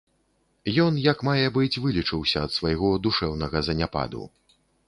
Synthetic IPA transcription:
jɔnjɐkmajɛbɨt͡sʲvɨlʲit͡ʂɨwsʲɐːt̪svajɣɔd̪uʂɛwnɐɣɐzɐnʲapa̰d̪ṵ

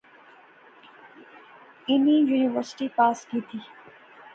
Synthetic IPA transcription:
ɪnĩjuːnɪʋəɾsʈipaːskiːt̪ʰiː

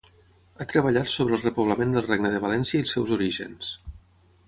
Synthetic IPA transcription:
at̪ɾəβəʎat̪soβɾəlˠrəpuβləmend̪əlˠrɛɡnəðəβalɛnsjəilˠsɛwzuɾiʒə̰ns

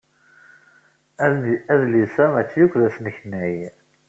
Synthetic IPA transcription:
æðæðlisæmæt͡sːjukʷːðæsnəçnæj

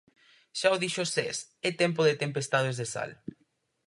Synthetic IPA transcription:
ʃaoðiʃosesɛt̪emp̬oðet̪empest̪aðezðesa̰l

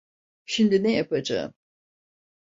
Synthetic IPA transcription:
ʃimd̪inɛjapʰad͡ʒa̰ɯ̰m

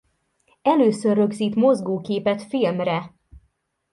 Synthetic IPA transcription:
ɛløːsørːøɡziːt̪mo̞zɡoːkeːpɛt̪filmrɛ

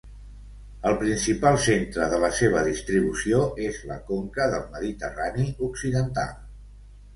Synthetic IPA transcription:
əlˠpɾinsipalˠsent̪ɾəðələseβ̞əðist̪ɾiβ̞usioezlə̰koŋkəðəlˠməðit̪əraniuksiðənt̪a̰lˠ

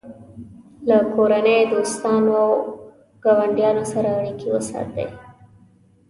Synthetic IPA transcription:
lakoɾanejd̪ost̪ɑnoaw | ɡ̥ɑwaɳɖjɑnosaɾaɳikiwə̰sɑ̰t̪ḛj

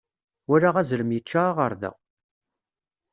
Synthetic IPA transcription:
wæɾaʁæzɾəmjət͡ʃːaʁəɾðæ̰

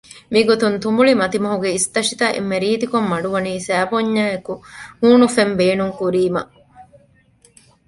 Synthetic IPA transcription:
miɡot̪unt̪umbuɭimɐt̪imɐɦuɡeist̪ɐʂit̪ɐʔḛmːeɾiːt̪ikomːɐɖuʋɐniːsæːboɲːaːekuhuːnufembeːnuŋkuɾiːmɐ̰

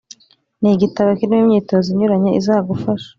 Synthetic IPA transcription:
niɡitaβakinimumɲiːto̞ziɲuɾaɲeizaːɡufaʃḁ

